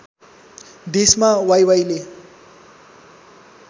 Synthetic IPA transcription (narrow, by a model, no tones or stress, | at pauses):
d̪esmawajwajle